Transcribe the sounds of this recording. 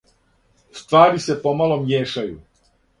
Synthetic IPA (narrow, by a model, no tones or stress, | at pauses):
st̪ʋaːɾise̞po̞malo̞mjeːʃajṵ